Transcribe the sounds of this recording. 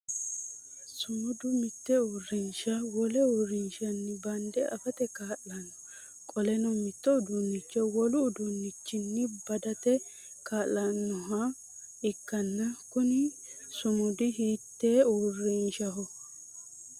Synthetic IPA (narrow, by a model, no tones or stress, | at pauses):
sʊmʊd̪ʊmɪt̪ːɛuːrːɪnʃɐwɔlɛurɪnʃɐnːɪbɐnd̪ɛʔɐfɐt̪ɛkaːlːɐnːɔ | kʼɔlɛnɔmɪt̪ːɔʊd̪unːɪt͡ʃːɛwɔlʊːd̪unːɪt͡ʃːɪnːɪbɐd̪ɐt̪ɛ | kaːlːɐnːɔɦɐ | ɪkːɐnːɐkʊnɪ | sʊmʊd̪ɪɦiːt̪ːeːurːɪnʃɐɦɔ